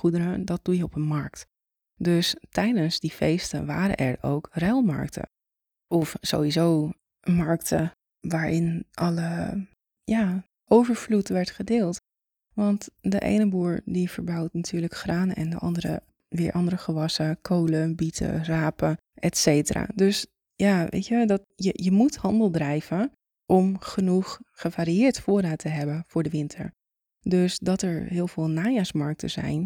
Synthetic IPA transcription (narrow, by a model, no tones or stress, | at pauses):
χudəɾədɔt̚d̥ujəɔpənmɑɹk̚t | døstɛjdənsdifeːstə̰ʋaːɾə̰ʔɛɹo̰wkrɛlˠma̰ɹk̚tʰə̰ | ɔfso̰ːʋizoː | mɑɹktʰə | ʋaːɹɪnʔɑlə | jaː | ʔowvəɹflutʋɛɹtχədɪːlˠt | ʋɑntdəʔḛːnəbuːɹdifəɹbawtnatʰyːɹləkχraːnɛ̰ndəʔɑ̰ndəɾə̰ | ʋɪːɹʔɑndəɾəχəʋɑsəkʰowləbitʰə̰raːpə | ʔɛtsejtəra̰døs | jaʋʔḛːtʋədɔtjəjəmuthɑndəlˠdrɛjvə | ʔɔmχənuχχəvaːɾiɪːɹtfoːɾaːtʰəɦɛbəfʊːɹdəʋɪntʰə̰ɹ | døsdɔtɛɹɦɪːəlˠvɪːlˠnaːjasmɑɹk̚tʰəzɛ̰jn